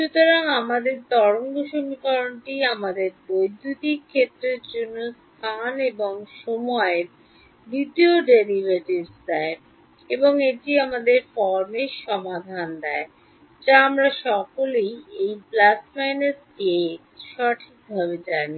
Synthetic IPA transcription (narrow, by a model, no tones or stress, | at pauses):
ʃut̪oɾaŋamad̪eɾt̪ɔɾoŋɡoʃomikɔɾonʈiamad̪eɾbojd̪ʱːut̪ikʰːet̪ːɾeɾd͡ʑonːostt̪ʰaneboŋʃomɔeɾ | bid̪ioɖeɾiveʈibsd̪ɛe | eboŋeʈiamad̪eɾfɔɾmeʃɔmad̪ʱand̪ɛe | d͡ʑaamɾaʃɔkolejejplasmajnes | e | ʃɔʈʰik̚bʱabed͡ʑani